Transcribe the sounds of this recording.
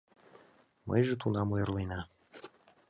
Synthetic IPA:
mə̰jʒet̪unɑmojɤrlinɑ

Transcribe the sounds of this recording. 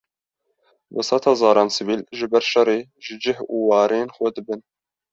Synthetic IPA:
wɨ̰sɑt̪ʰɑzɑːɾɑːnsɨviːlʒɨbɛɾʃɛreːʒɨd͡ʒɪhuwɑːɾeːnxʷɛd̪ɨbɨn

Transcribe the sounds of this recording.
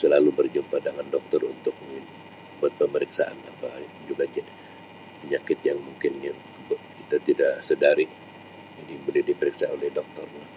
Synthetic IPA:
səlalubərd͡ʒumpadaŋandɔk̚t̪ɔrṵnt̪ʊk̚məŋin | buat̪̚pəməɾiksaʔa̰napa | d͡ʒuɡad͡ʒa | pəɲakɪt̪jaŋmuŋkɪna | kit̪at̪idaʔsədaɾɪk̚ | d͡ʒanibolɪdipəɾiksaolɛhdɔk̚t̪ɔrɲa

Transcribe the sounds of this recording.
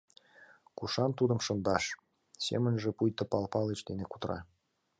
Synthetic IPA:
kuʃɑnt̪ud̪ə̆mʃə̆nd̪ɑʃ | sḛmə̆nʒĕpujt̪ɤ̆pɑlpɑlet͡ɕd̪eneku̥t̪ɾɑ̰

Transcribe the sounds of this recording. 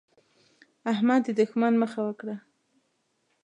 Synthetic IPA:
ahmad̪ːəd̪ʊxmanməxawəkɽa

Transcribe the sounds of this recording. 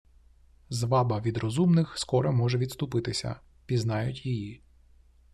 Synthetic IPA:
zʋɑbɐʋʲid̪ɾɔzumnɪxskɔɾɛmɔʒɛʋʲid̪st̪ʊpɪt̪ɪsʲɐ̰ | pʲiznɑjʊtʲjiji

